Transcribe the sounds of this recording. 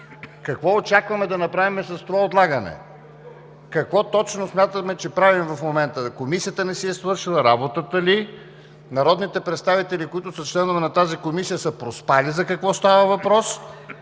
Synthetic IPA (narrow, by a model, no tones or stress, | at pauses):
kɐkvɔot͡ʃakvɐmɛd̪ɐnɐpɾavimɛsɐst̪ovaot̪lˠaɡənɛ̰ | kɐkvɔt̪ɔt͡ʃnosmʲjat̪əmɛt͡ʃɛpɾavimvɐfmomɛnt̪əkomisijət̪ənɛsiɛsvɤɾʃilˠɐɾabot̪ət̪əli | nɐɾɔd̪nit̪ɛpɾɛt̪st̪avit̪ɛlikoit̪ʊsɐt͡ʃlɛnʊvɛnɐt̪azikomisijəsəpɾospalizɐkɐkvɔst̪avəvɐpɾɔs